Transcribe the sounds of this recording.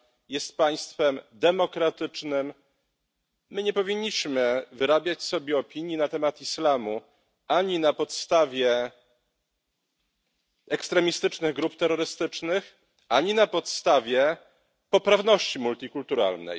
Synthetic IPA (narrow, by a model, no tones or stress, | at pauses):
jɛst̪paj̃st̪fɛmd̪ɛmɔkɾat̪ɘt͡ʂnɘm | ɘɲɛpɔvʲiɲːiɕmɘvɘɾabʲjat͡ɕsɔbʲjɛɔpʲiɲjinat̪ɛmat̪islamu | aɲinapɔt̪st̪avʲjɛ | ɛkst̪ɾɛmʲist̪ɘt͡ʂnɘɣɡɾupt̪ɛɾːɔɾɘst̪ɘt͡ʂnɘx | ʔaɲinapɔt̪st̪avʲjɛ | pɔpɾavnɔɕt͡ɕimult̪ʲikult̪uɾa̰lnɛ̰j